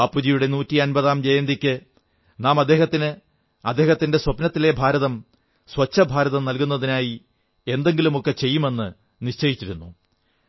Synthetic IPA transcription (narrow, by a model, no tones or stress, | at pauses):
ɐpːud͡ʑijuɽe̞nuːtːiɐnbɐðaːmd͡ʑɐjɐnd̪ikʲːɨ | naːmɐd̪ːeːɦɐt̪ːinɨ | ɐd̪ːe̞ːɦɐt̪ːinde̞swɐpnɐt̪ːile̞bʱaːɾɐðɐm | swɐt͡ɕːɐbʱaːɾɐðɐmnɐlkunːɐðinaːji | e̞nd̪e̞ŋɡilumo̞kːe̞t͡ɕe̞jːume̞nːɨ | niɕt͡ɕɐjit͡ɕːiɾunːu